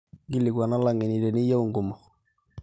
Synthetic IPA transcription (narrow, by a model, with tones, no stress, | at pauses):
ɡi˦lːɪ˨ɡwa˨na˦la˨ŋɛ˨ni˨ɾɛ˨nɪ˦ja˦u˨ŋɡʊ˨mɔ˨